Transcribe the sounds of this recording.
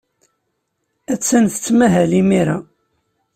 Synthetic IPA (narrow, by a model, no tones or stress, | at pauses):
æt͡sːænθə̥t͡sːmæɦælimiɾa